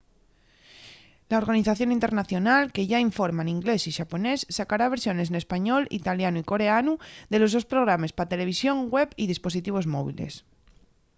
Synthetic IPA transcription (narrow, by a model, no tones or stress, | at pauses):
laoɾɣaniθaθjo̞nĩnt̪e̞ɾnaθjonalke̞ʝaiɱfo̞ɾmaniŋɡle̞siʃapo̞ne̞sːakaɾaβ̞e̞ɾsjo̞ne̞s̬nespaɲo̞lḭt̪aljanuiko̞ɾe̞anud̪e̞lo̞zðo̞spɾo̞ɣ̞ɾamespat̪e̞le̞β̞isjo̞ŋɡwe̞βið̞ispo̞sit̪iβ̞o̞zmo̞β̞ḭle̞̰s